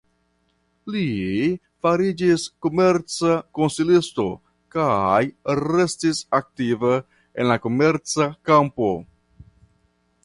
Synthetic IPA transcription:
li | faɾid͡ʒisko̞me̞ɾt͡sako̞nsilisto̞̰ | kajɾe̞stisak̚tivə | ḛnlako̞me̞ɾt͡sakampo̞

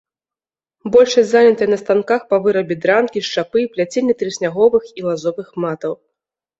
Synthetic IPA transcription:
bɔlʲʂɐsʲzanʲɐt̪ɐjnɐst̪ankaxpɐvɨɾɐbʲid̪ɾankʲiʂt͡ʂapɨplʲat͡sʲilʲit̪ɾɨsʲnʲaɣɔvɨxilˠazɔvɨxmat̪ɐw

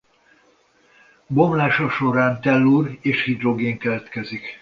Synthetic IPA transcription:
bomlaːʃɒʃo̞ɾaːnt̪ɛlːuːreːʃhid̪ro̞ɡeːŋkɛlɛt̪kɛzik

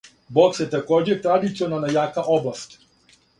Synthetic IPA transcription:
bok̪sjet̪akoːd͡ʑet̪ɾad̪it̪sionanajaːkaʔoblˠast̪

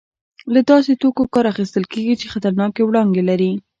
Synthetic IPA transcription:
lad̪ɑset̪okokɑɾaxist̪əlkeɡit͡ʃexat̪aɾnɑkewɽɑnd̪elaɾi

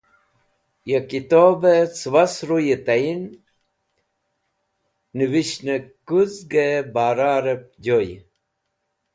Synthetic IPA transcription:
jekit̪obet͡swasɾujet̪ajin | niwiɕnekuzɡebaːɾaːɾep̚d͡ʑoj

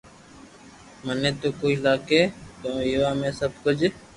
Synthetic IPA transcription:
mənẽːt̪oːkoːiːlaːkeːt̪õːjiʋaːmẽːsəbkʊd͡ʒ

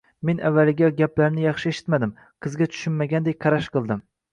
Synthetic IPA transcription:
menʔavːalɪɡʲɛɡʲaplaɾnɪjɑχʃɪeʃɪ̥t̪mad̪ɪm | qʰɨzɡʲɛt͡ʃʰy̥ʃɪnmaɡʲand̪ekqʰɑɾaʃqʰɨlˠd̪ɪm

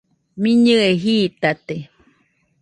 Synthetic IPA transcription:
miɲɨeɦiːt̪at̪e

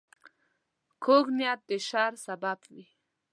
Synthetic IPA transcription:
kʰoɡnjat̪̚d̪eʃaɾsabapwi

